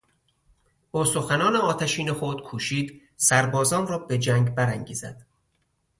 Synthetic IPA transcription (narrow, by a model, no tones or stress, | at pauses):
boːso̞xænɒːneɒːt̪ʰæʃiːnexod̪̥kʰuːʃiːd̪ | sæɾbɒːzɒːnrɒːbe̞d͡ʒæŋɡbæɾæŋɡḭːzæ̰d̪̥